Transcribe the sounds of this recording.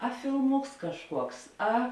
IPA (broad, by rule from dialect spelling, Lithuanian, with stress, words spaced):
ɐ fʲɪlˠˈmʊks kɐʃˈkuɔks ˈɐ